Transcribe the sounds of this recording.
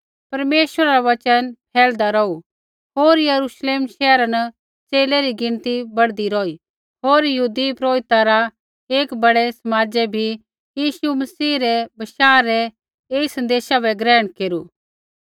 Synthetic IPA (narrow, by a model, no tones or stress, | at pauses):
pɐɾmeːʃwəɾaɾaʋɐt͡ʃənpʰɛːld̪aɾɔːu | ɦoːɾjɐɾuʃleːmʃɛːɾanə | t͡seːlɛɾiɡɪ̃nt̪ibɐɽd̪iɾɔːi | ɦoːɾjɐɦuːd̪ipɾoːɪt̪aɾa | eːkbɐɽɛsɐmaːd͡ʒɛbʱi | jiːʃumɐsiːɾɛbɐʃaːɾɛ | eːisɐ̃nd̪eːʃabɛɡɾɛːɽ̃keːɾuː